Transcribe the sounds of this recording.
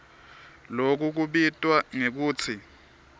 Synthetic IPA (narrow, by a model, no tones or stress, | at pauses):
lok̬uk̬uɓitʼwaŋek̬uːt͡sʰi